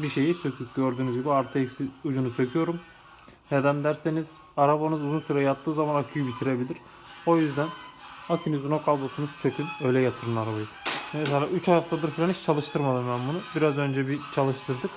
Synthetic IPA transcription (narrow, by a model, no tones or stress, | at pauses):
biʃe̞jisø̞kʰyɟø̞ɾd̪yːnyzɡɟibiaɾt̪ʰecsiud͡ʒunusø̞cʰyjo̞ɾum | ned̪ænd̪æɾseniz̥ | aɾabanɯzuzunsyɾejjat̪ːɯːzamanakʰyjybit̪ʰiɾe̞bilʲiɾ̥ | o̞jyzd̪ænakʰinizuno̞kʰalˠbosunuzsø̞kʲʰynø̞jlʲɛjat̪ʰɯɾɯnaɾabajɯmes̬elʲaːʔyt͡ʃʰajaft̪ʰad̪ɯɾfilʲeniʃt͡ʃʰalˠɯʃt̪ʰɯɾmad̪ɯmbænbunubiɾazø̞nd͡ʒɛbit͡ʃʰalˠɯʃt̪ʰɯɾd̪ɯk